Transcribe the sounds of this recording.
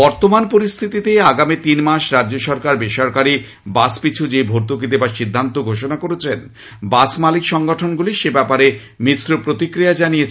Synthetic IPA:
b̥ɔɾt̪omanpoɾist̪ʰit̪it̪eaɡamit̪inmaʃɾadːoʃɔɾkaɾbeʃɔɾkaɾi | baspit͡ɕʰud͡ʑebʱoɾt̪uk̬it̪ebaʃid̪ʱːant̪oɡʱoʃ̬onakoɾet͡ɕʰen | basmalikʃɔŋɡoʈʰonɡuliʃebɛpaɾe | mitɾopɾot̪ikɾijad͡ʑanijet͡ɕʰ

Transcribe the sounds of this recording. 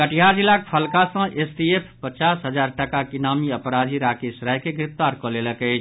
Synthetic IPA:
kəʈʰijaɾd͡ʒilak̚pʰəlkasə̃ʔesʈiepʰpət͡ʃaːsɦəd͡ʒaːɾʈəkakinaːmiəpɾad̪ʱiɾakesɾajkeɡɾɪpt̪aːɾkɔleləkəɪt͡ʃʰ

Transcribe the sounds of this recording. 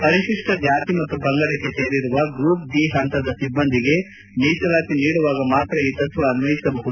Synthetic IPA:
pɐɾiʃiʂʈɐd͡ʒaːt̪imɐt̪ːubɐŋɡɐɽɐkːeseːɾiɾuʋɐɡɾuːp̚ɖiːɦɐnt̪ɐd̪ɐsibːɐnd̪ʱiɡe̞ | niːt͡ʃɐlaːt̪iniːɽuʋaːɡɐmaːt̪ɾɐiːt̪ɐt̪ʋɐːnuʋɐjisɐbɐɦud̪u

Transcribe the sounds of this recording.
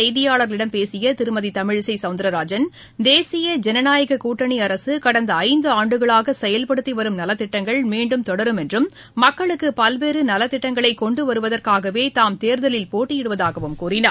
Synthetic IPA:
ɐɪðɪjaːɭɐɾlɪɽɐmpeːsɪjɐt̪ɪɾɯmɐðit̪ɐmɪɻsɐɪsɐʊnd̪ɾɐɾaːd͡ʒɐn | d̪eːsɪjɐd͡ʒɛnɐnaːjɐɣɐkuːʈːɐɳiɐɾɐsɯkɐɽɐnd̪ɐːɪnd̪ɯaːɳɖɯɣɐɭaːɣɐsɛjɐlpɐɽɯt̪ːiʋɐɾɯmnɐlɐt̪ːɪʈːɐŋɡɐɭmiːɳɖɯmt̪ɔɽɐɾɯmɛndrɯmː | ɐkːɐɭɯkːɯpɐlʋeːɾɯnɐlɐt̪ːɪʈːɐŋɡɐɭɐɪkɔɳɖɯʋɐɾɯʋɐðɐrkaːɣɐʋeːt̪aːmt̪eːɾðɐlɪlpoːʈːɪjɪɽɯʋɐðaːɣɐʋɯmkuːɾɪnɐ

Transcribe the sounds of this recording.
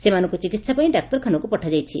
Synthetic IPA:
semanɔ̃ŋkut͡ʃikit̪sapaĩɖak̚ʈɔɾkʰanɔkupɔʈʰad͡ʒajt͡ʃʰḭ

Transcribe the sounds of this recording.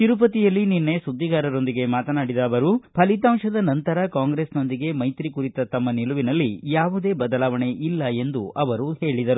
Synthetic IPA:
t̪iɾup̬ɐt̪ijɐlːininːe̞sud̪ʱːiɡaːɾɐɾo̞nd̪iɡe̞maːt̪ɐnaːɽid̪ɐʋɐɾupʰɐlit̪aːmʂɐd̪ɐnɐnt̪ɐɾɐkaːŋɡɾeːsno̞nd̪iɡe̞mɐjt̪ɾikuɾit̪ɐt̪ɐmːɐniluʋinɐlːijaːʋud̪e̞ːbɐd̪ɐlaːʋɐɳe̞ʔilːɐe̞nd̪uʔɐʋɐɾuhe̞ːɭid̪ɐɾu

